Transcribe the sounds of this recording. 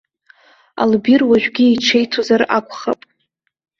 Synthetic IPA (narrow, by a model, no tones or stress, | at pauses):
a̰lbirwaʒᶣɡʲieʈ͡ʂʰe̞jtʰozara̰kʷʰʼχapʼ